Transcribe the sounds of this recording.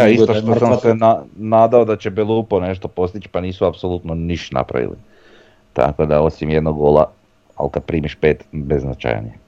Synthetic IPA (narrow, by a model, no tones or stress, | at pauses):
aist̪oʃt̪osamsenanaːd̪aod̪at͡ɕe̞belˠuːpone̞ʃt̪o̞po̞st̪it͡ʃpaniːsuapsolˠut̪noniʃt̪na̰pɾa̰ʋḭlḭ | t̪a̰ko̞d̪ao̞simjed̪noɡɡoːlˠa̰ | a̰lkad̪̚pɾiːmiʃpe̞ːt̪bezna̰t͡ʃa̰j̰ne